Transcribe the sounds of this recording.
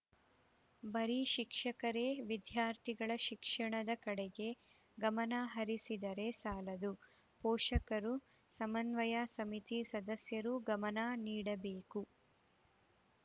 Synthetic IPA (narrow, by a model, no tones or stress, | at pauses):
bɐɾiʃikʂɐkɐɾeʋid̪jaːɾt̪ʰiɡɐɭɐʃikʂɐɳɐd̪ɐkɐɽɛɡe̞ | ɡɐmɐnaɦɐɾisid̪ɐɾe̞saːlɐd̪u | pɔːʂɐkɐɾu | sɐmɐnʋɐjasɐmit̪isɐd̪ɐsjɐɾuɡɐmɐnaːniːɽɐbeːku